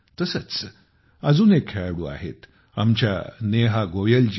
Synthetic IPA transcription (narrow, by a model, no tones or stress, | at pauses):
t̪əsət͡s | əd͡zuːnekʰːeɭaɽuːa̰ɦḛt̪ | a̰mt͡ɕja̰neɦaɡoʋjəld͡ʑ